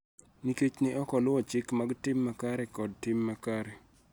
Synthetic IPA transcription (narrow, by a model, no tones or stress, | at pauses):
niket͡ʃnɪʔɔkɔlʊwɔt͡ʃɪkmaɡtɪmːakaɾɛkɔd̚tɪmːakaɾɛ